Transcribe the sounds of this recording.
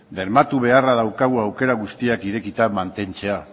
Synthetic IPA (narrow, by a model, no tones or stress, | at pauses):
d̪e̞ɾmat̪uβ̞e̞araðawkaɣ̞uawke̞ɾaɣ̞ust̪iakiɾe̞kit̪amant̪e̞nt͡se̞a